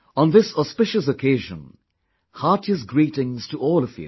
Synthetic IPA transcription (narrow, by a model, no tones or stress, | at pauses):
ə̃nðɪsɔspɪʃɨs̬əkʰeɪʒə̰̃n | hɑˑtɨzɡɹiɾɪ̃ŋz̥tʰəʔɔlˠʌvjʉ̰